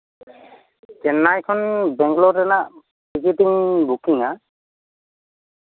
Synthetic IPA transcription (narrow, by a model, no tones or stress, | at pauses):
kɛnajkʰɔnbɛŋɡlɔtɛnaʔ | pikitiŋbukiŋa